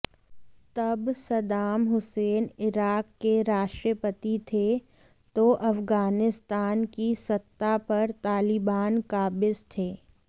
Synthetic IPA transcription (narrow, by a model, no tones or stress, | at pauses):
t̪ɐbsɐd̪aːmɦʊseːnɪɾaːkːeɾaːʃʈɾəpət̪it̪ʰe | t̪oʔɐfɡaːnɪst̪aːnkisɐt̪ːapɐɾt̪aːlɪbaːnkaːbɪzt̪ʰeː